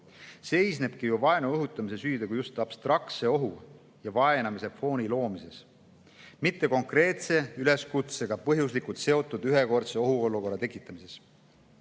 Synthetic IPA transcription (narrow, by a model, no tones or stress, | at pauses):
se̞jsne̞b̥̚kijuvɑe̞nuɤɦut̪ːˑɑmise̞syːd̪ekujust̪ɑb̥st̪rɑkt̪se̞o̞ɦu | jɑvɑe̞nɑmise̞pfo̞ːnilo̞ːmise̞s | mit̪ːe̞ko̞ŋkrɾe̞ːt̪se̞yle̞skut̪se̞ɡ̥ɑpɤɦjus̬likult̪se̞o̞t̪ːˑud̪̥yɦe̞ko̞rt̪se̞o̞ɦuo̞lːuko̞rːɑt̪e̞kːˑit̪ːˑɑmise̞s